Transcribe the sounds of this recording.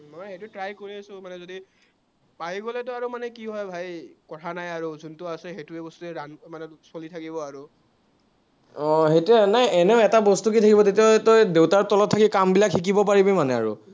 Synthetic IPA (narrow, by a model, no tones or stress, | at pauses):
manɛxejtutɹajkoɹiasʊ̃manɛzodi | paɦiɡɔlɛtʊaɹumanɛkiɦɔjbʱajkɔtʰanajaɹuzʱuntʊasɛɦetuebɔstuɛɹanmanɛ | solitʰakibɔaɹu | ɔ̃ɦejtɛnajɛnɛʊɛtabɔstuk̬itʰakibɔtetiotɔjdewtaɹtɔlɔtʰːakikambilakxik̬ibɔpaɹibimanɛa̰ɹṵ